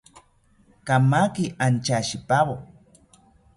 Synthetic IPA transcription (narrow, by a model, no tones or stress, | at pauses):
kamakiʔant͡ʃaʃipaβo